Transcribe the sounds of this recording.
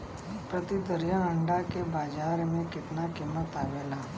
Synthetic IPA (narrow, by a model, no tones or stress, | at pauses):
pɾət̪id̪əɾijãə̃ɳɖakebaːd͡ʒaːɾmẽkɪt̪nakiːmːət̪aːʋeːlaː